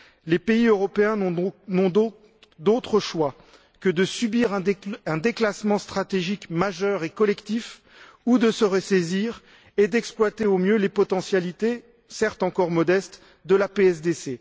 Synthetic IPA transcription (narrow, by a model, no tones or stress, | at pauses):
lepeiøʁɔpeɛ̃nɔ̃ | d̪ot̪χəʃwa | kəd̪əsybiʁɛ̃ɛ̃d̪eklasmɑ̃st̪χat̪eʒikmaʒœʁekɔlɛkt̪if | ud̪əsəʁəseziʁ | ed̪ɛksplwat̪eomjølepɔt̪ɑ̃sjalit̪e | sɛʁt̪ɑ̃kɔʁmɔd̪ɛst̪ | d̪əlapeɛsd̪ese